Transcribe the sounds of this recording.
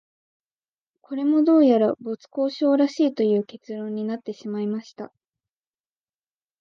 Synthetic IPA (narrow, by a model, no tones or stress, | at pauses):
kʰo̞ɾe̞mo̞d̪o̞ːjaɾabo̞t͡sɨ̥ko̞ːɕo̞ːɾaɕiːt̪o̞jɯ̟ːke̞t͡sɨɾõ̞ɲ̟ːinat̪ːe̞ɕimaimaɕi̥t̪a